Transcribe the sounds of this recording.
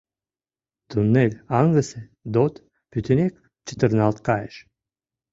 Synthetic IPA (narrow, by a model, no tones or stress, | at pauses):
t̪unːelʲɑŋɡəse | d̪ot̪ | pyt̪ʰʲɘnʲek | t͡ɕə̥t̪ərnɑlt̪kɑjeʃ